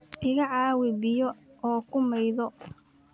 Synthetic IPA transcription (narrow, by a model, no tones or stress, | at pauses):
ʔɪɣɐʕɑːwɪbɪjɔɔːkʰʊmɛjðɔ